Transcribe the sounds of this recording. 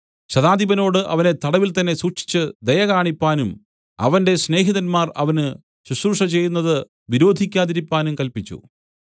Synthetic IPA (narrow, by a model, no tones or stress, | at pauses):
ɕɐðaːd̪ʱibɐno̞ːɽɨʔɐʋɐne̞t̪ɐɽɐʋilt̪ɐnːe̞suːkʂi̥t͡ɕːɨd̪ɐjɐɣaːɳipːaːnum | ɐ̰ʋɐnde̞sne̞ːɦiðɐnmaːrɐ̰ʋɐnɨ | suɕruʂɐt͡ɕe̞jːunːɐðɨ | ʋiɾo̞ːd̪ʱikʲːaːðiɾipːaːnumkɐlpit͡ɕːṵ